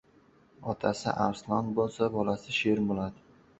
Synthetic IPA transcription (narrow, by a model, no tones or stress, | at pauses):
ɒt̪ʰasɪ̰ʔaɾslˠɒnbolˠsabɒlasɪʃe̞ɾbolad̪ɪ